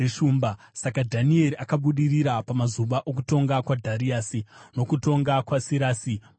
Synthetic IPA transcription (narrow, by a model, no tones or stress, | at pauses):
eʃuːmba | sakadʱanie̞ɾiakaɓuɗiriɾapamazuʋaʔo̞k̬uto̞ŋɡakwadʱaɾiaːsino̞kuto̞ŋɡakwasiɾaːsi